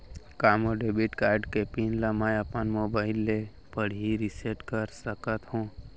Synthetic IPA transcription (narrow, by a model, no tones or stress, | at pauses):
kaːmoɖebiʈkaːɾɖkepinləmajəpənmoːbaːɪlːe | pəɽ̤iɾiseʈkəɾsəkət̪ɦũː